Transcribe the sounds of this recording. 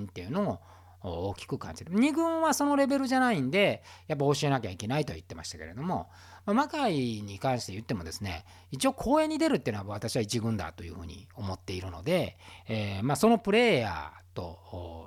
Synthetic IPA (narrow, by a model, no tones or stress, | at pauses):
nt̪ːe̞jɯ̟no̞o | oːkʲi̥kɯ̟kã̰ɲ̟d͡ʑid̪eɲ̟iɡɯ̟̃ɰ̃βaso̞no̞ɾe̞be̞ɾɯ̟ʑanaĩnd̪e̞jap̬ːao̞ɕie̞nakʲaike̞nait̪o̞̰jɯ̟t̪ːe̞ma̰ɕi̥t̪ḁke̞ɾe̞̰d̪o̞mo̞̰ | mamakaiɲ̟ikãɰ̃ɕi̥t̪e̞jɯ̟t̪ːe̞mo̞d̪e̞sɨne̞̰ | it͡ɕio̞ːkʰo̞ːe̞ɲ̟ːid̪e̞ɾɯt̪ːeinoβaβ̞at̪aɕiβait͡ɕiɡɯ̟̃nd̪a̰t̪o̞jɯ̟ːhɯ̟ːɲ̟ḭo̞mo̞t̪ːe̞iɾɯ̟no̞̰d̪e̞ | maso̞no̞pɯ̟ɾe̞ːja̰t̪o̞ː